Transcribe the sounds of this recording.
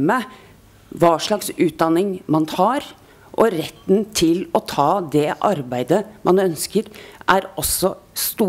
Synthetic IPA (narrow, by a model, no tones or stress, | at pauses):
mə | ʋɑːʂɭɑksʉːt̪̚d̪ɑnɪŋmɑnt̪ʰɑːɾ | ʔɔɾɛt̪ːnt̪ʰɪlɔt̪ʰɑːd̪ɛʔɑɾbæɪd̪əmʔɑnœnskəɾʔæɾɔsːɔst̪uː